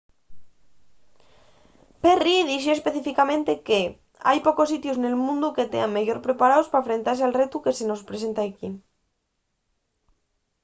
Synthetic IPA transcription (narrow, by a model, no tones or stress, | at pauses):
periðiθjoespe̞θifikamẽnt̪e̞ke | a̰jpo̞kos̬it̪josne̞lmũnd̪uke̞t̪ḛaŋmeʝo̞ɾpɾe̞paɾaospafɾe̞nt̪aɾsealret̪uke̞seno̞spɾese̞nt̪aeki